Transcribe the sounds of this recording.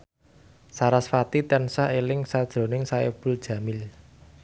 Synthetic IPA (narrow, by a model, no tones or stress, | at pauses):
saɾasfat̪it̪ɛnsaelɪŋsad̥ʒ̥ɾo̤nɪŋsaḛb̥uld̥ʒ̥ä̤mɪl